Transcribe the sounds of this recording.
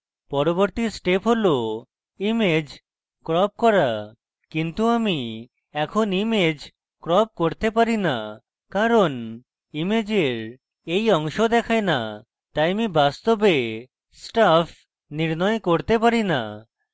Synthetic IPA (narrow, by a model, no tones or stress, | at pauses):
pɔɾoboɾt̪isʈepʰɦolo | imed͡ʑ | kɾɔp̚kɔɾa | kint̪uami | ɛkʰonimed͡ʑ | kɾɔp̚koɾt̪epaɾina | kaɾon | imed͡ʑeɾ | ejɔŋʃod̪ɛkʰaena | t̪ajmibast̪obe | sʈapʰ | niɾnɔekoɾt̪epaɾina̰